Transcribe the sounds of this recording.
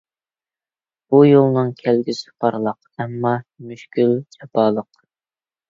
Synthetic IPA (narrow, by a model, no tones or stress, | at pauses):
b̥ujolˠnɨŋkʲʰælɡʲisɪ̥pʰɑɾlˠəq | ɛmːɑmyʃkʲylt͡ʃʰɛpɑːlˠəq